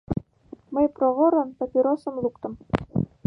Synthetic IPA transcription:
məjpɾoβoɾɤ̆npapʲiɾosɤ̆mlˠukt̪ɤ̆m

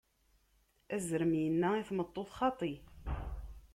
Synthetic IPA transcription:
æzɾəmjənːæiθmət̪ˤːoθχɑt̪ˤi

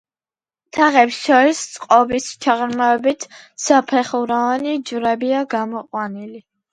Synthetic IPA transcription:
t̪ʰaʁɛpsʃɔɾissʼqʼɔbist͡ʃʰaʁɾmaɛbit̪ʰ | sapʰɛχuɾɔvanid͡ʒɾɛbiaɡamɔqʼwanili

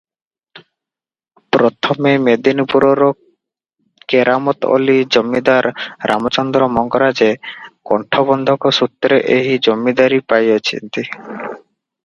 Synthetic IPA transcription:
pɾot̪ʰomemed̪inipuɾoɾo | keɾamot̪o̰lid͡ʑomːid̪aɾɾa̰mot͡ʃɔnd̪ɾomɔŋɡoɾad͡ʑekɔɳʈʰobɔnd̪ʱokosut̪ːɾeʔeɦid͡ʑomːid̪aɾipajot͡ɕʰḭnt̪i

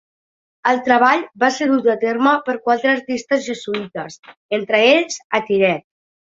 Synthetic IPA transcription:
əlˠt̪ɾəβaʎbaseɾut̪ət̪erməpəɾkwat̪ɾəːɾt̪ist̪əzʒəsuit̪əsent̪ɾəeʎzət̪iɾɛt̪̚

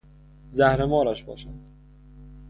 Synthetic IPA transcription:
zæhɾemɒːɾæʃbɒ̰ːʃænd̪

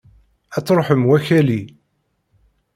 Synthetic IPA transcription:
æt͡sːɾˤoħəmwæçæli

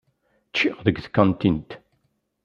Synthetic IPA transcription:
t͡ʃːiʁðəɡθkːɔ̃nt̪int̪

